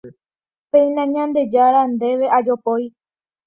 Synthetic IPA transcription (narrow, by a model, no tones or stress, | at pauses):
pẽj̃nãɲãnd̪e̞d͡ʒaɾand̪e̞ʋe̞ʔad͡ʒo̞poj